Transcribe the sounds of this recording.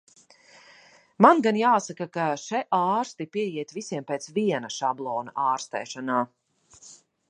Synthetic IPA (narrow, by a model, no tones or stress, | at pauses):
manɡanjaːsakakaʃɛʔaːɾst̪ipiɛjiɛt̪visiɛmpeːt̪sviɛnɐʃablˠɔːna̰ʔaːɾst̪ɛ̰ːʃanaː